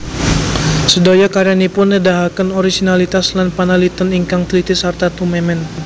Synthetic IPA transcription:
sədojakaɾianipʊnːədaɦakanɔɾisinalit̪aslanpanalit̪əniŋkaŋt̪lit̪ɪsart̪at̪umɛmɛn

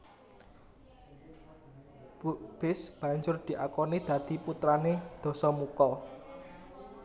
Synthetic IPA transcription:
bub̥ɪsb̥ä̤ɲd͡ʒʊrd̪̥i̤ʔakɔnid̪̥ä̤d̪̥i̤put̪ɾaned̪̥ɔ̤sɔmukɔ

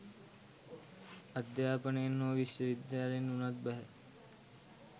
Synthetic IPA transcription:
ɐd̪jaːpənejenːoːʋiʃʋəʋid̪jaːlenːunat̪̚bɛɦɛ

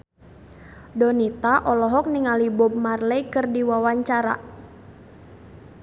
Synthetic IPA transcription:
dɔnit̪aʔɔlɔɦɔk̚niŋalibɔb̚marlɛjkɨrdiwawaɲt͡ʃaɾa̰

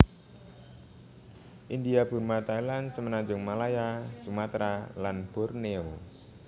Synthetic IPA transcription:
ʔind̪iab̥ṳrmat̪ajlansəmənand͡ʒʊŋmalajasumat̪ɾalanb̥ɔrneo

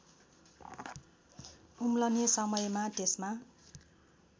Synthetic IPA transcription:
umlʌnesʌmʌjmat̪esma

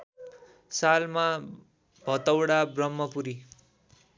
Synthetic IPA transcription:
salma | bʱʌt̪ʌwɽabrʌmːʌpuɾi

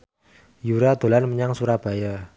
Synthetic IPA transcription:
juɾad̪̥o̤lanməɲaŋsuɾab̥a̤ja

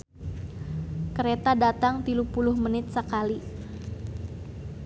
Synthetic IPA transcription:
kəɾet̪adat̪aŋt̪ilupulʊhmənɪt̪̚səkali

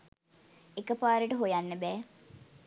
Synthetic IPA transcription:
ekəpaːɾeʈəɦojanːəbɛː

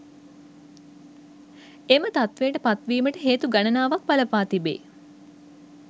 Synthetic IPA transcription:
emət̪at̪ʋeːʈəpat̪ʋiːməʈəɦeːt̪uɡanənaːʋak̚paləpaːt̪ibḛː

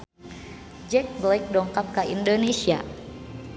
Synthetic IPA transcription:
d͡ʒɛk̚blajk̚dɔŋkap̚kaʔindonesia̰

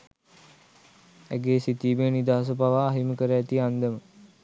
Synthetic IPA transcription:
æ̰ɡeːsit̪iːbeənid̪aːas̬əbaʋaːɦiməkəɾəæt̪iand̪əmə

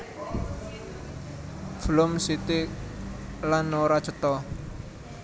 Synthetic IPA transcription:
v̥əlʊmsit̪i | lanːoɾḁt͡ʃət̪ɔ

